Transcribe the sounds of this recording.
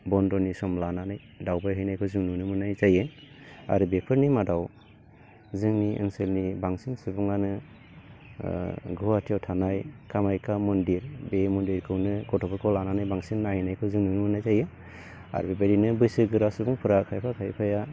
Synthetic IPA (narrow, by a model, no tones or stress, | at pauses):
bɔndɔnisɔmlananaj | dawbajɦɯjnajkʰɔwzɯŋnɯnɯmɯnajzaje | a̰ɾɯbepʰɯɾnimadaw | zɯŋniɯ̰ŋselnibaŋsiŋsɯbuŋanɯ | ɡuatʰijawtʰanajkʰamajkʰamɔndiɾbemɔndiɾkʰɯwnɯkɔtʰɔpɯkʰɔlananajbaŋsiŋːahijnajkʰɯwzɯŋnɯnɯmɯnajzaje | a̰ɾbibaɾinɯbɯjsɯɡɯɾasubuŋpʰɯɾakʰajpʰakʰajpʰaja